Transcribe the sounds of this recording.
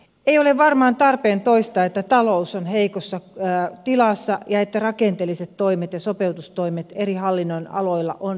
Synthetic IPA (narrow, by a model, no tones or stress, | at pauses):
eijoleʋʋɑrmɑːnt̪ɑrpeːnt̪oist̪ɑːet̪ːæt̪ɑlousonheikosːɑt̪ilɑˑsːɑjɑet̪ːærɑkent̪eːlːiset̪toimet̪jɑsopeut̪ust̪oimet̪erihɑlːinːoinɑ̰loilːɑ̰ʔon